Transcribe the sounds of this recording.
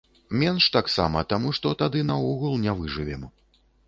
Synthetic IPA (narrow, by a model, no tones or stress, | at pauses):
mʲɛnʂt̪aksa̰mɐt̪amuʂt̪ɔt̪ad̪ɨnɐɔɣulˠnʲavɨʐɨvʲɛm